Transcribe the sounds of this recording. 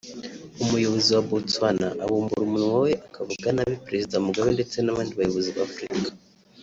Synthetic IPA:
umujo̞βo̞ziwabutwanaʔaβuːmbuɾumunŋawe̞ʔakavuɡanaβipɾe̞zidamuɡaβende̞t͡se̞naβaːndiβajoβo̞ziβaːfɾikḁ

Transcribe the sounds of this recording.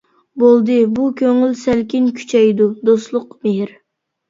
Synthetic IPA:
bolˠd̪ɨbukʲʰøŋylsælkʲinkʲʰy̥t͡ʃʰɛjd̪ud̪oslˠʊqmeɦɪɾ

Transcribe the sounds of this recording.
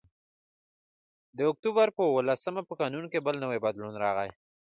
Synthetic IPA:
d̪əʊk̚t̪ubaɾpəwəlasəmapəkɑnunkebəlnəwebad̪lunɾɑɣaj

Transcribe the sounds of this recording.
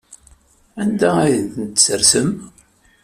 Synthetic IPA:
ænd̪ææjənθənt̪səɾsəm

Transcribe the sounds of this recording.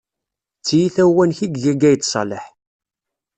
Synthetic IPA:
t͡sːijiθæwænçiɡjæɡæjt͡s̪ːsˤɑ̰ləħ

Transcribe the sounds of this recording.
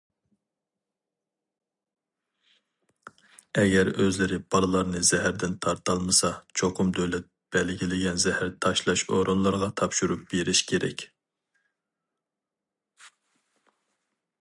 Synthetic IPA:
ɛɡʲɛɾøzlɪɾɪb̥ɑlˠɨlˠɑɾnɨz̥ɛɦæɾd̪ɪnt̪ʰɑɾt̪ɑlˠmɨsɑt͡ʃʰoqʰʊmd̪øwlɛt̪̚b̥ɛlɡʲilɪɡʲɛnzɛhæɾt̪ʰɑʃlˠɑʃoɾonlˠɑɾʁɑt̪ʰɑpʃuɾup̚b̥eɾɪʃkʲʰeɾɛ̰kʲ

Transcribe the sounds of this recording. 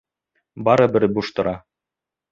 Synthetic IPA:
bɑɾɤbɘ̆ɾbuʃt̪ɤ̆ɾɑ

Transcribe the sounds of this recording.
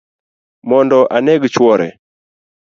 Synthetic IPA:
mɔndɔʔanɛɡt͡ʃwɔɾɛ̰

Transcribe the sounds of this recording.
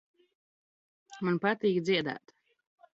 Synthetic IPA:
manpat̪iːkd̪ziɛd̪æ̰ːt̪

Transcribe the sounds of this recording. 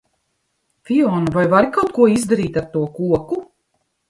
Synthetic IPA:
fʲiɔːnavajvaɾikawt̪̚kuɔizd̪aɾiːt̪aɾt̪uɔkuɔku

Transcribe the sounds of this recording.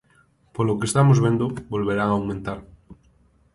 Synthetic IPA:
polokest̪amozβe̞nd̪obolβeɾaŋawmẽnt̪aɾ

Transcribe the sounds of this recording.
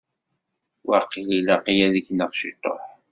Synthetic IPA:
wɑqililaqijæðəçnəʁʃḭt̪ˤːo̰ħ

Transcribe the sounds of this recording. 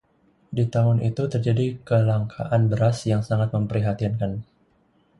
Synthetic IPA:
dit̪amʊnʔit̪ut̪ərd͡ʒadikəlaŋkʰa̰ʔanbəɾasjaŋsaŋat̪̚məmpəɾiɦat̪inkan

